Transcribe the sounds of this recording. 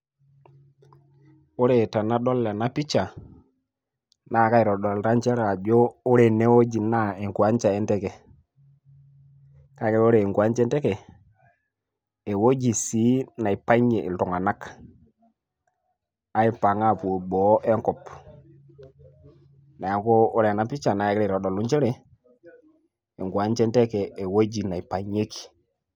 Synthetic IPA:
o˦ɾe˨ta˨na˦ɗo˦lːe˨na˦pi˦t͡ʃa˨ | na˦˨ka˦i˨ɾɔ˨ɗo˨lta˦nt͡ʃe˦ɾa˨d͡ʒo˦o˦ɾe˨ne˦wo˦d͡ʒi˨na˦e˨ŋku˨a˦ɲt͡ʃa˨e˦nte˦ke˨ | ka˨ke˦o˦ɾe˨i˨ŋku˨a˦nt͡ʃe˦nte˦ke˨ | e˨wo˦d͡ʒi˨si˨˦na˨i˨pa˦ɲe˨ʔḭ˨ltɔ˨ŋa˨na˦k | a˦i˦pa˨ŋa˦˨pu˨bɔ˨˦ʔɛ˦ŋkɔ˨p | na˨ja˨ŋkoː˦ɾe˨na˨pi˦t͡ʃa˨na˨kɾe˦˨ɾɔ˨dɔ˨lu˦ɲt͡ʃe˦ɾɛ˨ | e˨ŋɡu˨a˨˦ɲt͡ʃe˦ntɛ˦kɛː˨wo˦d͡ʒi˨na˨i˨pa˨ɲe˦ki̥˨

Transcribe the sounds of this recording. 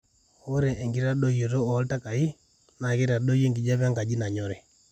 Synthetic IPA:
o˦ɾe˨ʔe˨ŋɡi˦ɾa˦ɗo˦jo˨ɾo˦ɔ˨˦lta˦ka˨i˦ | na˨ɣi˦ɾa˨do˦je˦ŋɡi˨d͡ʒa˦βa˦ŋɡa˨d͡ʒi˦na˨ɲɔ˦˨ɾɛ˨

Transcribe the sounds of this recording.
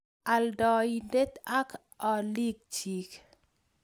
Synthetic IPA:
a˨ldɔ˨i˨nde˦t̪a˦k | ɔ˨li˦k̚t͡ʃi˨k

